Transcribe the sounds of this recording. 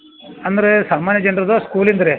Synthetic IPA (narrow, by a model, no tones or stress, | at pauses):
ɐnd̪ɐɾesaːmaːnjɐd͡ʒɐnɖɾɐd̪oːskuːlind̪ɐɾe